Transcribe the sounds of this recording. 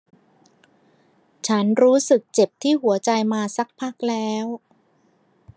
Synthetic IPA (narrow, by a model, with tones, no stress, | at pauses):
t͡ɕʰa˦˥nɾuː˦˥sɯ˨˩k̚t͡ɕe˨˩p̚t̪ʰiː˥˩ɦu˩˦ɐt͡ɕa˧jmaː˧sa˦˥k̚pʰa˥˩k̚lɛː˦˥w